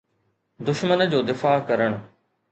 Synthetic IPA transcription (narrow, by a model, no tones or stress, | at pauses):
d̪ʊʃmənd͡ʑoːd̪ɪfaːkɐɾəɽ̃